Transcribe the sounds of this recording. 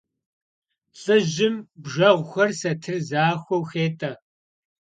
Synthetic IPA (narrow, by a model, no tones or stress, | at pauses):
ɬʼɨʑɪmbʒʷɐʁʷxʷɐrsɐtʰɨrzaːxʷɔwxeːtʼɐ